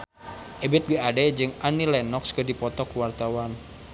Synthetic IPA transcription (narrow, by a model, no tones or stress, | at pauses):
ʔebɪt̪̚biadɛd͡ʒɨŋanilɛnɔkskədipɔt̪ɔkuwart̪awan